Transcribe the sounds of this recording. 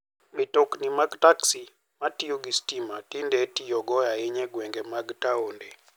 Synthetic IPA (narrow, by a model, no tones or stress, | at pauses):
bitoknimaɡtaksi | matijoɡistimatindetijɔɡɔjaeɲɛɡwɛŋɡɛmaɡtaonde